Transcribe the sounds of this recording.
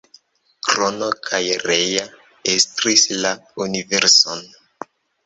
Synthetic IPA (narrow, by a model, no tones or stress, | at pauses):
kɾonokʰajɾeja | estɾislaunive̞ɾson